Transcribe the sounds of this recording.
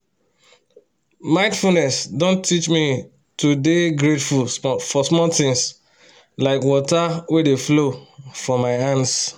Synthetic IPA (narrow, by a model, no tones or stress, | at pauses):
mãɪ̃nfunɛsdõntʰit͡ʃmi | tudeɡɹetfulfɔsmɔltɪ̃ŋs | laɪkwɔtawedeflofɔ̃maɪãns